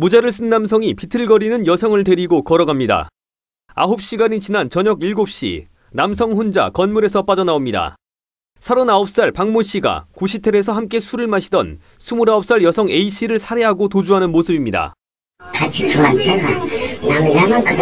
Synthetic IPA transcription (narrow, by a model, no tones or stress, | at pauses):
mud͡ʑeɾɯɭs͈ʰɯnːamsʰʌŋipitʰɯɭɡʌɾinɯnjʌsʰʌŋɯɭte̞ɾiɡokʌɾʌɡamɲida̰ | a̰ɦop̚ɕ͈iɡaɲit͡ɕinant͡ɕʌɲʌɡiɭɡop̚ɕ͈ḭ | namsʰʌŋɸond͡ʑa̰kʌnmuɾe̞sʰʌp͈ad͡ʑʌnaomɲida̰ | sʰaɾonaop̚s͈aɭpaŋmuɕ͈iɡa̰koɕʰitʰe̞ɾe̞sʰʌhamk̬͈e̞sʰuɾɯɭmaɕʰidʌn | sʰumuɾaʌp̚s͈aɭjʌsʰʌŋe̞iɕ͈iɾɯɭsʰaɾe̞ɦaɡotod͡ʑuɦanɯnmosʰɯbimɲida̰ | kat͡ɕʰit͡ɕʰumatʰaɡanamjamakɯ